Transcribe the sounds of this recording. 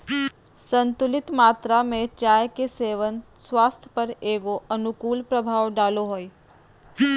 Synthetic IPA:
sə̃nt̪ʊlɪt̪maːt̪ɾamẽt͡ʃaːjkeseːʋən | swaːst̪ʰjə̥pəɾeːɡoɐnʊkuːlpɾəbʱaːʋɖaːloɦoːi

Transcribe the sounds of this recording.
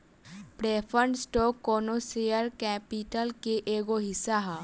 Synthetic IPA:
pɾeːpʰəɳɖsʈoːkːoːnosejəɾkɛːpɪʈəlkeʔeːɡoɦɪsːaɦa

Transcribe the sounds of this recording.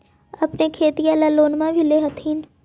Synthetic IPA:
ɐpnekʰeːt̪iaːlaloːnmãbʱileɦɐt̪ʰiːn

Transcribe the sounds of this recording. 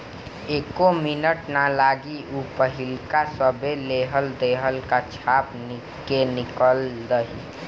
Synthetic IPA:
eːkomɪnəʈnalaːɡiupəɦɪlkasəbeleɦəld̪eɦəlkat͡ʃʰaːpn | kenɪkəldəɦi

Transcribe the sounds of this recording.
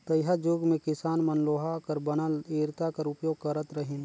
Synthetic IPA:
t̪ɐjɦad͡ʒʊɡmẽkɪsaːnmənloːɦakɐɾbənəleːɾt̪akɐɾʊpjoːɡ̚kɐɾət̪ɾəɦɪn

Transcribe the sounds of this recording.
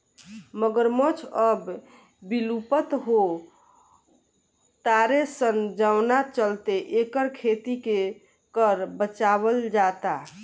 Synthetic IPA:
məɡəɾmot͡ʃʰəb | bilupət̪ɦo | t̪aɾesənd͡ʒəʊnat͡ʃəlt̪eʔekəɾkʰet̪ike | kəɾbət͡ʃabəld͡ʒat̪a

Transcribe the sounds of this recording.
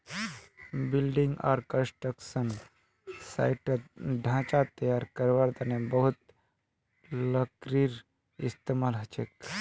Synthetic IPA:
bɪlɖĩŋɡa̰ːɾkə̃nsʈɾəksən | sa̰ɪʈɖʱãːt͡ʃat̪əjaːɾkəɾʋaɾd̪anebɐɦut̪̚ | ləkɾiɾ | ist̪emaːlɦɐt͡ʃek̚

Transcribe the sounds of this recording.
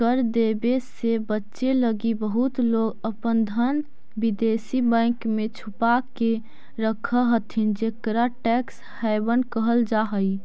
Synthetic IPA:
kəɾd̪ebesebətːʃeləɡibəɦut̪loːɡəpənd̪ʱən | bid̪esibɛ̃kmẽt͡ʃʰupake | ɾəkʰəɦət̪ʰind͡ʒekɾaʈɛks | hɛbənkəɦəld͡ʒaɦəi

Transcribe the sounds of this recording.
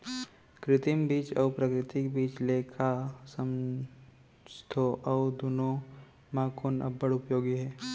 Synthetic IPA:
kɾɪt̪ɪmbiːt͡ʃɔːpɾəkɾɪt̪ɪkbiːt͡ʃleːkʰasə̃m | st̪ʰoʔɔʊd̪oːno | mãkoːnɐ̰bːəɽʊpjoːɡiɦɛː

